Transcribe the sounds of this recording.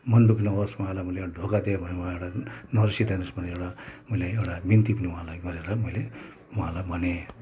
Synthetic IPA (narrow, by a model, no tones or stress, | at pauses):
mʌnd̪ukʰinʌbʌsmuɦãlajmʌleaɖʱokad̪iabʱʌneũɦãewʈanʌrsit̪anʌsbʌneewʈamʌleewʈabint̪ipʌniũɦãlajɡʌɾeɾʌmʌjle | uɦãlajbʱʌne